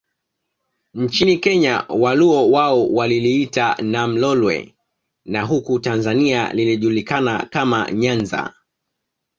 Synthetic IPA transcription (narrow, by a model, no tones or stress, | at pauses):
nt͡ʃinikɛɲawaluɔwaɔwaliliitanam̩lɔlwɛ̰ | naɦukutanzania̰liliʄulikanakama̰ɲanza̰